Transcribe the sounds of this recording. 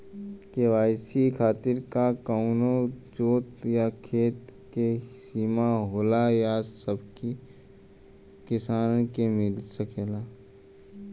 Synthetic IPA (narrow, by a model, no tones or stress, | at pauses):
keʋaːɪsikʰaːt̪ɪɾkakaʊnod͡ʒoːt̪jakʰeːt̪kesiːmaɦoːlajasəbki | kɪsaːnkemɪlsəkeːlaː